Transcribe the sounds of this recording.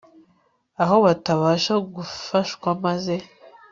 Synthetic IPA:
aɦo̞βataβaːʃaɡufaʃkwamaze̞

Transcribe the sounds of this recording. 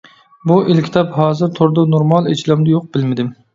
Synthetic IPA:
buʔelkʲʰi̥t̪ʰɑphɑːzɨɾt̪ʰoɾd̪ɑnoɾmɑlˠet͡ʃʰilˠɑmd̪ɨjoq̚b̥ɪlmɪd̪ɪm

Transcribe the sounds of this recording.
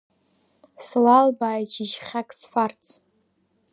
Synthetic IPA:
slalbaːjt͡ʃʰʼiʒχʲakʼsħʷart͡sʰ

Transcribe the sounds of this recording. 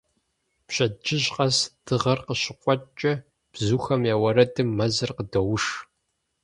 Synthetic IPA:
pɕʼɐd͡ʒɪʑqʼɐsd̥ɨʁɐrqəɕɪqʷʼɔt͡ʃʼɐ | b̥zuːxɐmjaːwɐɾɐdɨmːɐzɨrqədɐwʊʂ

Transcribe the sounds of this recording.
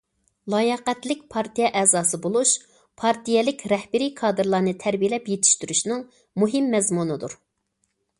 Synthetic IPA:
lˠɑːjɛqɛt̪lɪk̚ʲpʰɑɾt̪ijɛʔɛːzɑːsɨbolˠuʃ | pʰɑɾt̪ʰijɛlɪkʲɾɛhbɪɾijkʰɑːd̪ɨɾlˠɑːnɨt̪ʰæɾbijelɛpjet̪ʰɪ̥ʃt̪yɾyʃnɨŋ | muɦɪmːɛzmunɨd̪uɾ

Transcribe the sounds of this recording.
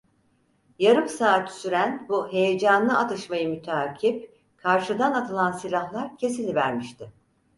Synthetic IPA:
jaɾɯmsaːt̪ʰy̥syɾænbuɦe̞jed͡ʒanlˠɯat̪ʰɯʃmajɯmyt̪ʰaːcʰip | kʰaɾʃɯd̪anat̪ʰɯlˠansilʲahlˠaɾcʰe̞silʲivæɾmiʃt̪ʰɪ

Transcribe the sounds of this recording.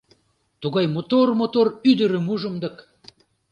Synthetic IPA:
t̪uɣɑjmot̪ormot̪oryd̪əɾə̆muʒə̆md̪ɤ̆k

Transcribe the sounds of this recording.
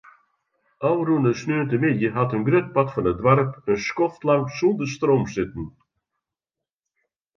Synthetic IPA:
awɾunəsnyːnt̪əmɪdəɦat̪ənɡɾœt̪̚pat̪fənəd̪vaɾpənskɔθt̪lˠaŋsund̪əst̪ɾowmsʏt̪n̩

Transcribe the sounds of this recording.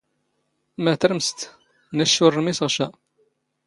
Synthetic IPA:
mæt̪əɾəmst̪ | næʃːʊrˤmisəʁʃæ

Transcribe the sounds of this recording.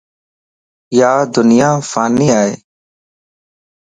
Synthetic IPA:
jaːd̪ʊnɪjãːfaːniːaːḛː

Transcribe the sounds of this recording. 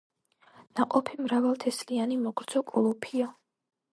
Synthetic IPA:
naqʼɔpʰimɾavalˠt̪ʰɛslianimɔɡɾd̪z̥ɔkʼɔlˠɔpʰia

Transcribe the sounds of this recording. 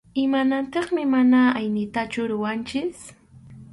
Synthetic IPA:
ɪmanant̪ɑχmɪmanaajnɪt̪at͡ʃʊɾʊwant͡ʃɪs

